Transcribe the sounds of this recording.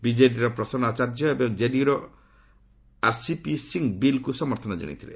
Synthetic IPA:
bid͡ʒeʈiɾɔpɾɔsɔnat͡ʃaɾd͡ʒɔebɔŋd͡ʒeɖiɾɔ | aɾsipisiŋbilkusɔmɔɾt̪ʰɔnɔd͡ʒɔ̰ɽ̃ḭt̪ʰilḛ

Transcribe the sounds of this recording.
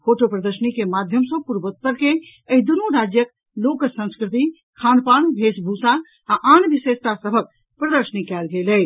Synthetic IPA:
fʰoʈopɾəd̪əɾsənikemad̪ʱjəmsə̃puɾbət̪̚pəɾke | əɦid̪unuɾad͡ʒjək | lokəsə̃nskɾɪt̪̬i | kʰaːnpaːɳbʱesbʱusa | aʔanʋiʃest̪asəbʱək̚ | pɾəd̪əɾsənikɛlɡelɛ

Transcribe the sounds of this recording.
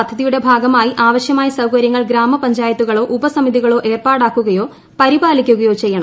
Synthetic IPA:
ɐd̪ʱɐðijuɽe̞bʱaːɡɐmaːjiʔaːʋɐɕjɐmaːjisɐwkɐɾjɐŋːɐɭɡɾaːmɐpɐɲd͡ʑaːjɐt̪ːuɣɐɭo̞ːʔubɐsɐmiðiɣɐɭo̞ːʔe̞ːrpaːɽaːkːuɣɐjo̞ː | pɐɾibaːlikʲːuɣɐjo̞ːt͡ɕe̞jːɐɳɐm

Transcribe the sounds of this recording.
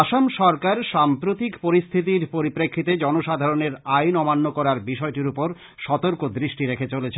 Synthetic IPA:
aʃamʃɔɾkaɾʃampɾot̪ikpoɾist̪ʰit̪̬iɾpoɾipɾekʰːit̪ed͡ʑɔnoʃad̪ʱaɾoneɾajnɔmanːokɔɾaɾbiʃɔeʈiɾupoɾ | ʃɔt̪oɾkod̪ɾiʃʈiɾekʰet͡ɕolet͡ɕʰe

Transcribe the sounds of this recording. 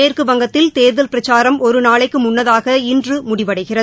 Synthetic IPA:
eːrkɯʋɐŋɡɐt̪ːɪlt̪eːɾðɐlpɪɾɐt͡ʃːaːɾɐmɔɾɯnaːɭɐɪkːɯmʊnːɐðaːɣɐɪndrɯmʊɽɪʋɐɽɐɪɣɪrɐ

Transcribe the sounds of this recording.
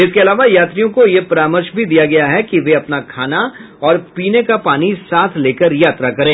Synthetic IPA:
ɪskeɐlaːʋajaːt̪ɾijõkojepɐɾaːməɾʃbʱid̪ijaɡɐjaɦɛkiʋeɐpnakʰaːna | ɔːɾpiːnekapaːnisaːt̪ʰleːkəɾjaːt̪ɾakɐɾẽː

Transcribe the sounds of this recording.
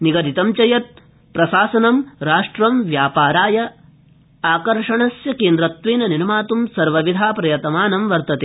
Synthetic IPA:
niɡɐd̪it̪ɐmt͡ʃɐjɐt̪̚ | pɾɐsaːsɐnɐmɾaːʂʈɾɐmʋjaːpaːɾaːjɐ | aːkɐɾʂɐɳɐsjɐkeːnd̪ɾɐt̪ʋeːnɐninɐmaːt̪umsɐɾʋɐʋid̪ʱaːpɾɐjɐt̪ɐmaːnɐmʋɐɾt̪ɐt̪eː

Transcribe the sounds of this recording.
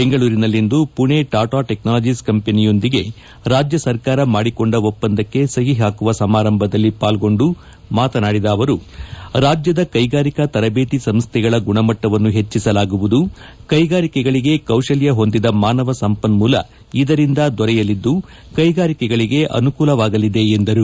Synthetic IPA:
beŋɡɐɭuːɾinɐlːind̪upuɳeʈaːʈaːʈeknaːlɐd͡ʒiskɐmpe̞nijo̞nd̪iɡe̞ | ɾaːd͡ʒjɐsɐɾkaːɾɐmaːɽiko̞ɳɖɐopːɐnd̪ɐkːe̞sɐɦiɦaːkuʋɐsɐmaːɾɐmbʱɐd̪ɐlːipaːlɡo̞ɳɖu | maːt̪ɐnaːɽid̪ɐːʋɐɾuɾaːd͡ʒjɐd̪ɐkɐjɡaːɾikɐt̪ɐɾɐbe̞ːt̪isɐmst̪ʰɛɡɐɭɐɡuɳɐmɐʈːɐʋɐnːuɦe̞t͡ʃːisɐlaːɡuʋud̪ukɐjɡaːɾikɛɡɐɭiɡe̞kɐwʂɐljɐɦo̞nd̪id̪ɐmaːnɐʋɐsɐmpɐnmuːlɐ̰ | id̪ɐɾind̪ɐd̪ɔɾɛjɐlid̪ːu | kɐjɡaːɾikɛɡɐɭiɡe̞ʔɐ̰nukuːlɐʋaːɡɐlid̪e̞ːnd̪ɐɾu

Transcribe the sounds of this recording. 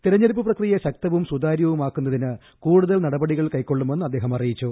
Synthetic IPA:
t̪iɾɐɲːɐɾp̬ːɐprɐkrijɐɕɐk̚t̪ɐʋumsud̪aːɾjɐʋumaːkːunːɐðinɨ | kuːɽuðɐlnɐɽɐbɐɽiɣɐɭkɐjkːo̞ɭːumenːɐd̪ːeːɦɐmɐrijit͡ɕːu

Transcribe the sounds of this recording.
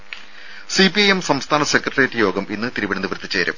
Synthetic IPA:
sipiɐjemsɐmst̪ʰaːɳɐsekrɐrjeʈːɨjo̞ːɡɐminːɨt̪iɾiʋiɳɐnd̪ibrt̪ːit͡ɕːeːɾɐ̰m

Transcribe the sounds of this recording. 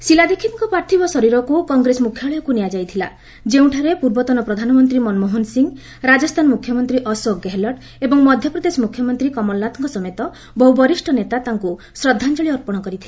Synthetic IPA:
silad̪ikʰːit̪ŋkɔpɾaɾt̪ʰibɔsɔɾiɾɔkukɔŋɡɾesɔmukʰjɔɭɔjɔkunejad͡ʒajt̪ʰila̰ | d͡ʒeũʈʰaɾepuɾbɔt̪ɔnɔpɾɔd̪ʱanɔmɔnt̪ɾimɔnmoɦɔnsiŋ | ɾad͡ʒɔst̪ʰanɔmukʰːjɔmɔnt̪ɾiʔɔsɔɡeɦlɔʈ | ebɔŋmɔd̪ʱjɔpɾɔd̪esɔmukʰjɔmɔnt̪ɾikɔmɔlnat̪ɔŋkɔsɔmet̪ɔ | bɔɦubɔɾisʈʰɔnet̪at̪aŋku | sɾɔd̪ʱːant͡ʃɔɭiɔɾpɔɽ̃ɔkɔɾit̪ʰile

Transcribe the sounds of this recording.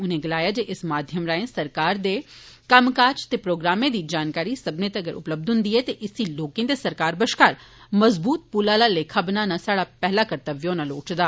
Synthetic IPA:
ʊnẽːɡɪlaːjaːd͡ʒeːʔɪsmaːd̪ʱjəmɾaːẽːsɐɾkaːɾd̪eː | kəmkaːt͡ʃt̪eːpɾoːɡɾaːmẽːd̪iːd͡ʒaːnkaːɾiːsəbnẽːt̪eɐɡəɾʔʊ̰pləb̚d̪ʊnd̪iːɛːt̪eʔɪsiːloːkẽnd̪esəɾkaːɾbəʃkaːɾməzbuːt̪̚puːlaːlaːleːkʰəbnãːnasaːɽaːpɛɦlaːkəɾt̪əʋjõːnaloːʈd̪aː

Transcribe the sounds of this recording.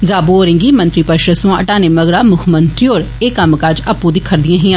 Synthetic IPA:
d̪aːbuoːɾɪ̃ŋɡiːmə̃nt̪ɾiːpəʃɾəsũəʈaːneːməɡɾaːmʊkʰmənt̪ɪoːɾ | eːkəmkad͡ʒəpːuːd̪iːkʰəɾd̪ijãːɦiːãː

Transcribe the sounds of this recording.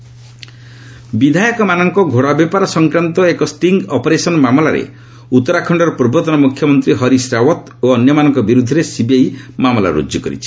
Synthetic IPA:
bid̪ʱajɔkɔmanɔŋkɔɡʱoɽabepaɾɔsɔŋkɾant̪ɔekɔsʈiŋɡɔpɔɾesɔnɔmamɔlaɾḛ | ut̪ːɔɾakʰɔɳɖɔɾɔpɾɔbɔt̪ɔnɔmukʰjɔmɔnt̪ɾiɦɔɾisɾawɔt̪ | oɔnjɔmanɔŋkɔbiɾud̪ʱːɔɾesibjajmamɔla̰ɾṵd͡ʒjɔkɔ̰ɾḭt͡ʃʰi

